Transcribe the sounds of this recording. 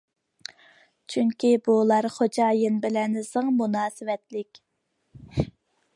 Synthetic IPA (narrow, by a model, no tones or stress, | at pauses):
t͡ʃʰyŋkʲibulˠɑɾχod͡ʒɑːjɨnbɪlɛnɪsəŋmunɑːsɨwɛt̪lɪkʲ